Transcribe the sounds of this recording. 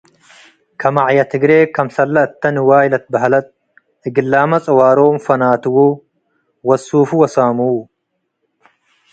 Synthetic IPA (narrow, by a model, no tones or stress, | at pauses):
kʰɐmaʕjɐt̪ʰɪɡɾeːkɐmsɐlːɐɪt̪ːɐnwaːjɪlɐt̪̚bɐɦɐlɐt̪̚ | ʔɪɡɪlːaːmɐt͡sʼɐwaːɾoːmfɐnaːt̪ʊwuː | wɐsːuːfuwɐsaːmuː